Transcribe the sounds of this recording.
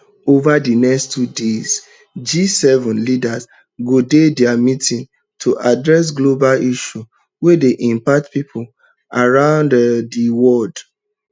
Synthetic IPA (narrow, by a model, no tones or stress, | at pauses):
ovadinɛkstʰːudez̥ | d͡ʒisɛvɔ̃nlidaz | ɡodedɛamitĩn | tʰuʔadɹɛs̬ɡlobaliʃu | wedeʔĩmpatpipʰul | aɹãʊ̃nddiwɔld